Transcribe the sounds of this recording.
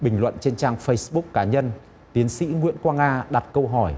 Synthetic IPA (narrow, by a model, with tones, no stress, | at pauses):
ɓï˨˩ŋ̟lwə̰˧˨nt͡ɕe˧nt͡ɕaː˧ŋfə˧jsɓʊ˦˥k̚kaː˨˦ɲə˧n | t̪i˨˦ənsḭ˧˥ŋwi˧˥ənkwaː˧ŋaː˧ɗa˨˩t̚kə˧wɦɔ˧˩j